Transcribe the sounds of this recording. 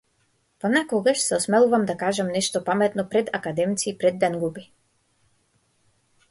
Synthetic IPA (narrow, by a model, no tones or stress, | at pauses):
pɔnakɔɡaʃsɛɔsmɛlˠuvamd̪akaʒamnɛʃt̪ɔpamɛt̪nɔpɾɛd̪akad̪ɛmt̪siːpɾɛd̪ːɛnɡubi